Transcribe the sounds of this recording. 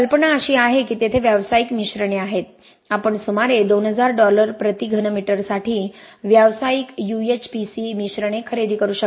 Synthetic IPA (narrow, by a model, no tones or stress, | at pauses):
əlpəɳaəɕiːaɦekiːt̪et̪ʰeʋjaʋsaikmiɕɾəɳeaɦet̪̚ | apəɳsumaɾed̪onɦəd͡zaɾɖɔləɾpɾət̪iɡʱənəmiʈəɾsaʈʰiː | ʋjaʋsaikjuet͡ɕpisimiɕɾəɳ̃ekʰəɾed̪ʱiːkəɾuːɕə